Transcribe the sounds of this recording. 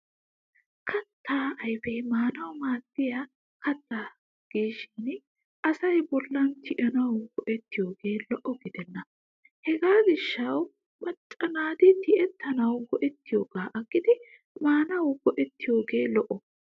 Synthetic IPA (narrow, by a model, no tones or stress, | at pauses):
kʰɐt̪ːaːɐjfɛjmaːnɐwmaːd̪ːɪjɐ | kɐt̪ːaː | ɡ̥iːʃɪn | ʔɐsɐjbɔlːɐnt̪ɪʔɐnɐwɡɔʔɛt̪ːɪjo̞ːɡe̞ːlɔʔɔɡɪd̪ɛnːɐ | hɛɡaːɡɪʃːɐw | mɐt͡ʃʼːɐnaːd̪ɪt̪ɪʔɛt̪ːɐnɐwɡɔʔɛt̪ːɪjoːɡaːʔɐɡːɪd̪ɪ | maːnɐwɡ̥ɔʔɛt̪ːɪjoːɡeːlɔʔɔ